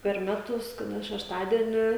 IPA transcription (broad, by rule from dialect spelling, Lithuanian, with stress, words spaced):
pʲɛr ˈmʲæːtʊs kɐˈdɐ ʃʲɛʃˈtɑːdʲiɛnʲɪ